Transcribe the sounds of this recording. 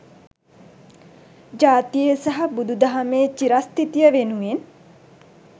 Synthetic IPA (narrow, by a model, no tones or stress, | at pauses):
d͡ʒaːt̪ijesaɦɐbud̪ud̪ɐɦɐmeːt͡ʃiɾast̪it̪ijəʋenuʋen